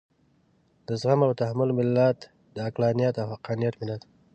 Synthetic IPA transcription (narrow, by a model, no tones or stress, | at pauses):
d̪əzɣamawt̪ahmʊlmɪlːat̪ | d̪əaklɑnijat̪awhaqɑnijat̪mɪlat̪